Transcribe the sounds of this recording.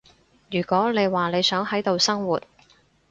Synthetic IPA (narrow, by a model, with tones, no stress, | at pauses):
jyː˨˩kʷɔː˨˥ne˨˧jwaː˨ne˨˧jsœː˨˥ŋɦɐ˨˥jt̪o˨wsɐ˥ŋwuː˨˩t̚